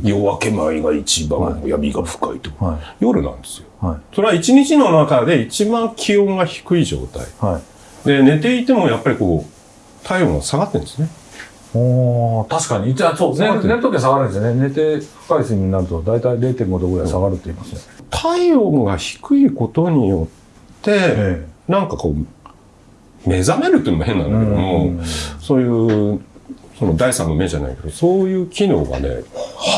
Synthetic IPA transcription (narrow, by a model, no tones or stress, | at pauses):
joβake̞maiɡa̰it͡ɕibã̰oja̰mʲiɡaɸɯ̥ka̰it̪ojo̞ɾɯ̟̰nã̰nd̪e̞sɨjo̞hasoɾeait͡ɕiɲ̟it͡ɕino̞nakad̪e̞it͡ɕibãŋkʲʰiõ̞ŋɡaçi̥kɯ̟iʑo̞̰ːt̪a̰ḭhai | d̪e̞ne̞t̪e̞it̪e̞mo̞japːaɾʲiko̞ː | t̪ʰaiõ̞ŋ̃ɡa̰saɡat̪ːẽ̞nd̪esɨne̞ | t̪aɕi̥kaɲ̟iisoneɾeɾɯt̪ok̪esaɡaɾɯ̃nd̪esonene̞t̪e̞ɸɯ̟̥kaisɨiiɲ̟naɾɯ̟t̪od̪ait̪aiɾe̞ːt̪e̞kŋɡod̪okoɾeasaɡaɾɯ̟t̪ːe̞imasɨnet̪ʰaiõŋɡaçi̥kɯ̟iko̞t̪o̞ɲ̟ijo̞t̪ː | e̞nãŋkako̞̰ː | me̞zame̞ɾɯt̪ːoimoɦẽ̞nːa̰nked̪ooso̞ːjɯ̟ː | so̞no̞d̪aisã̰nːome̞ʑa̰na̰ḭke̞d̪o̞so̞ːjɯ̟ːkʲino̞̰ːɡa̰ne̞̰